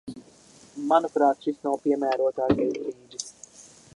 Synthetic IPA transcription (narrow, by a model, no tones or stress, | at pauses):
manupɾaːt̪ʃisnawpiɛmæːɾuət̪aːkɛjzɾiːd̪is